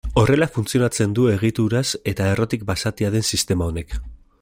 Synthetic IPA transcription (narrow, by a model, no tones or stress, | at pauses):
o̞re̞lafunt͡sio̞nat͡se̞nd̪ue̞ɣ̞it̪uɾase̞t̪ae̞ro̞t̪ik̚basat̪iaðe̞nsist̪e̞mao̞ne̞k